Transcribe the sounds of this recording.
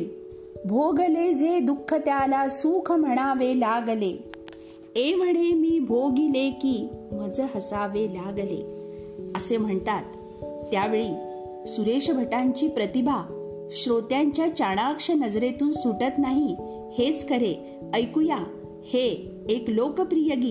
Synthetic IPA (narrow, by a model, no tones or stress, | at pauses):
bʱoɡəled͡zed̪ukʰːət̪jalasukʰəm̤əɽ̃aʋelaɡle | eʋəɽemiːbʱoɡilekiːm̤əd͡zəɦəsaʋelaɡlḛ | əsem̤əɳt̪at̪ː | jaʋeɭiː | suɾeʂəbʱəʈaɲt͡ɕiːpɾət̪ibʱa | ɕɾot̪jaɲt͡ɕjat͡ɕaɽ̃akʂənəd͡zɾet̪uːnsuʈət̪naɦi | het͡skəɾe | əjkuja | heː | klokəpɾijəɡiː